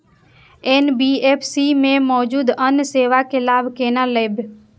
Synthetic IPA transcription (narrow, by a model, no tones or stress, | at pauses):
eːnbieːpʰsimẽmɔːd͡ʒuːd̪ənseːʋakelaːbʱkeːnaleb